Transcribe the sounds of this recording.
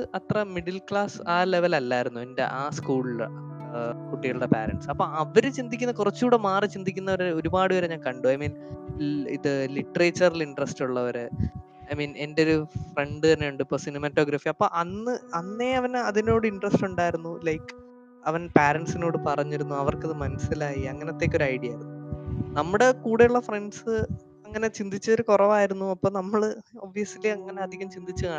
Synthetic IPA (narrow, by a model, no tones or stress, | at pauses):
ɨʔɐt̪rɐmiɽilkɭaːsaːle̞ʋɐlɐlːaːjiɾunːuende̞̰ʔaːskuːɭ | kuʈːiɣɐɭuɽepaːɾɐ̰ɳɖsɐpːoːɐʋɐɾut͡ɕind̪ikʲːunːɐkurɐt͡ɕːuːɽemaːrit͡ɕind̪ikʲːunːɐʋɐɾo̞ɾubaːɽɨʋɐɾeɲaːnkɐɳɖuɐjmiːn | ḭðɨliʈːɐreːt͡ɕːɐrɐliɳɖrɐstuɭːɐʋɐɾɨ | ɐjmiːne̞ndeo̞ɾufreɳɖɨt̪ɐnːejuɳɖɨipːoːsinimɐtːoːɡɾɐfiɐpːo̞̰ːʔɐnːɨɐnːe̞ɐʋɐnɐðino̞ːɽɨiɳɖrɐstuɳɖaːjiɾunːulɐjkː | ɐʋɐnpeːɾeɳɖsino̞ːɽɨpɐrɐɲːiɾunːuɐʋɐrkeðɨmɐnɐsilaːjiɐŋːɐneot̪ːe̞ːkʲːo̞ɾuɐjɽijaːjiɾunːunɐmːuɽekuːɽeuɭːɐfreɳɖsɨ | ɐŋːɐne̞t͡ɕind̪it͡ɕːɐoɾukurɐʋaːjiɾunːuɐpːo̞ːnɐmːɐɭɨo̞ʋːijɐsiliɐŋːɐne̞ɐd̪ʱiɣɐmt͡ɕind̪it͡ɕːɨkaː